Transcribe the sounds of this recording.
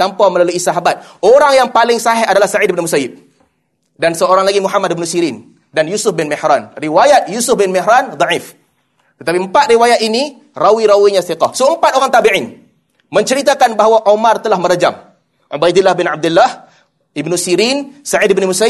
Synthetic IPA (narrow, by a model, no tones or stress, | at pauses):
t̪ampaməlaluisaɦabat̪̚oɾaŋjaŋpalɪŋsaɦɛadalahsaʕidibnimusajɪb̚ | dansəoɾaŋlaɡimuɦamadbnusiɾin | danjusʊfbɪnmɛhɾanriwajat̪̚jusʊfbɪnmɪɦɾand̪ˤɑʕif | t̪ət̪apiəmpat̪̚riwajat̪̚ini | rawiɾawiɲaθiqɔhsoəmpat̪̚oɾaŋt̪abiʕɪn | məɲt͡ʃəɾit̪akanbaɦawaʔomart̪əlahməɾəd͡ʒam | ʕubajdɪlːahbɪnab̚dulːah | ɪbnusiɾinsaʕidibnumusa